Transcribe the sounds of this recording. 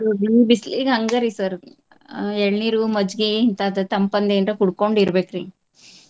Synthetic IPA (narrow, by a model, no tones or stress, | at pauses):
ubiːbisliɡɦɐŋɡɐɾisɐɾ | ɛɭniːɾumɐd͡ʒɡiint̪ɐd̪t̪ɐmpɐnd̪eːnt̪ɐkuɽkoɳɖiɾbeːkɾi